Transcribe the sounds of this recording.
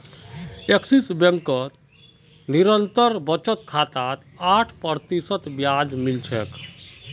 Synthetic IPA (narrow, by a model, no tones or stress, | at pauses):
eksisbjeŋkət̪ | niɾənt̪əɾbət͡ʃət̪kʰat̪at̪ | aʈʰpəɾt̪isət̪bjad͡ʒmilt͡ʃʰɛk